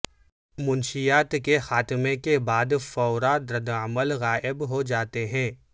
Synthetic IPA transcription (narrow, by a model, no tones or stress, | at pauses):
mʊnʃijaːt̪kexaːt̪mẽkebaːd̪fɔʊɾad̪ɾɐd̪əməlɣaːʔɪbɦod͡ʒaːt̪eɦɛ̃ː